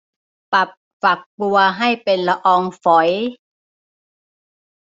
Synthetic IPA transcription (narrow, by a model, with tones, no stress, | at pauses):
pa˨˩p̚fa˨˩k̚bu˧ɐɦa˥˩jpe˧nla˧ʔɔː˧ŋfɔ˨˦j